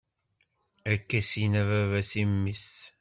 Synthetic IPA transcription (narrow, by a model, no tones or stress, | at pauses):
ækːæsinævævæsimːis